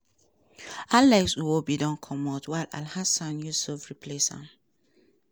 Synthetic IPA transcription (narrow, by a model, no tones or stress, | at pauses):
alɛksuwobidɔ̃nkʰɔmɔtwala̰lhasãnjusɔvɹipʰleshã̰m